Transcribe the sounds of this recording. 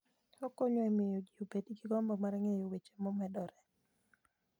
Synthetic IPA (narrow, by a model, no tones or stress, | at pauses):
okoɲoemɪjoɡiobediɡiɡɔmbɔmaɾɛŋejowet͡ʃe̥mɔmɛdɔɾɛ